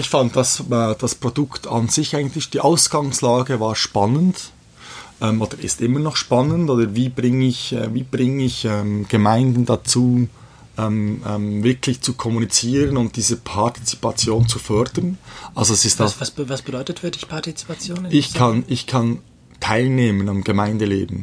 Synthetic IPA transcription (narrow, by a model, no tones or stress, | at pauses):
ɪçfant̚d̥ɑsɛd̥ɑspʁ̥odʊktʰɑ̰nz̥ɪçʔaɪɡən̩tlɪçd̥iːʔaʊsɡ̥ɑŋslaːɡəvaːɾʃpɑnənd | ʔɛːmʔoːd̥əɪ̰stʔɪmənɔχʃpɑnəntoːdəviːbʁɪŋəɪçɛ̰viːb̥ʁɪŋɪçɛːmɡ̥əmaɪndn̩dat͡suː | ʔɛːmɛmvɪkʰlɪçt͡sukʰɔmunit͡siːʁənʊnt̚d̥iːzəpʰɑti̥t͡si̥pɑt͡sjoːnt͡sufœɾd̥ənʔalzoɛsɪstdaːsvɑsbədɔʏtətfyːɐdɪçpʰɑtit͡si̥pat͡sjoːnɪçkʰɑnɪçkʰɑn | tʰaɪlneːmənɑmɡ̥əmaɪndəlḛːbmn̩